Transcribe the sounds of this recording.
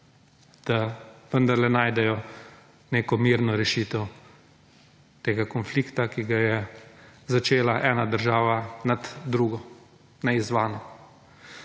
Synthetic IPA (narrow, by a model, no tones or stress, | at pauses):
d̪̥aʋənd̪ɐɾlɛnaːjd̪ɛjɔ | neːkɔmiːɾnɔɾɛʃit̪ɛw | t̪eːɡakɔnfliːkt̪akiɡajɛzat͡ʃeːlaʔɛːnad̪əɾʒaːʋanad̪d̪ɾuɡɔ | nɛizʋaːnɔ